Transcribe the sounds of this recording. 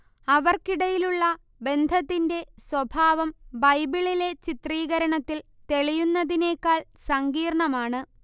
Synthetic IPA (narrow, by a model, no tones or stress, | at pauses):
ɐʋɐrkiɽɐjiluɭːɐ | be̞nd̪ʱɐt̪ːinde̞swɐbʱaːʋɐmbɐjbiɭile̞t͡ɕit̪riːɣɐɾɐɳɐt̪ːil | t̪e̞ɭijunːɐðine̞ːkːaːɭsɐŋɡiːrɳɐmaːɳɨ